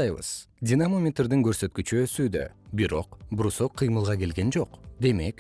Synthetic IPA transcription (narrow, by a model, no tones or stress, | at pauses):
ɑjβə̰z̥ | dʲinamomʲet̪rd̪iŋkʰɵɾsø̞t̪kyt͡ʃyøsyːd̪ø̰biɾo̞̰qbʊɾusoqʰːɯjmɯlˠʁɑkʲe̞lɡʲe̞nd͡ʒo̞qd̪e̞me̞k